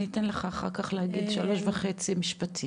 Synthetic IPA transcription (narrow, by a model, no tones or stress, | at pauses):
nitenleχaːχa̰ʁkaχlehaɡidʃalo̞ʃvaχe̞t͡simiʃpatʰi